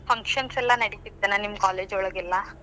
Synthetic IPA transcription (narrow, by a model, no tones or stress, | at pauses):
pʰɐŋkʃɐnsɛlːɐnɐɽit̪id̪ːenɐnimːɐkaːleːd͡ʒɔɭɐɡɛlːɐ